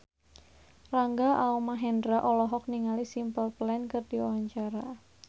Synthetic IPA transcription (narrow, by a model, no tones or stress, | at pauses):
raŋɡaʔaɔmaɦɛndɾaʔɔlɔɦɔk̚niŋalisimpəlplɛnkərd̥iɔɦaɲt͡ʃaɾa